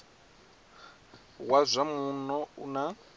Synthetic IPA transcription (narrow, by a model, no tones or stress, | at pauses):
wazʷamunɔuna